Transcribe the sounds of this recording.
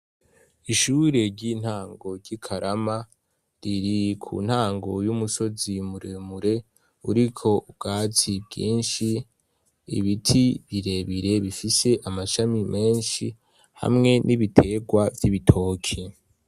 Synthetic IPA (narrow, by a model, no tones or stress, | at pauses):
iʃuːɾe̞ɾɟin̥haːŋɡo̞ɟikʰaɾʔama | ɾiɾikʰṵn̥haːŋɡo̞jumuso̞zimuɾe̞muɾe̞ | uɾikʰo̞ubɡaːt͡sibɟḭːnʃi | ḭβitʰiβiɾe̞βiɾe̞βifise̞ʔamaʃamimʔe̞ːnʃi | ha̰mŋe̞nʔiβitʰe̞ɡwavjiβitʰo̞ːkʰi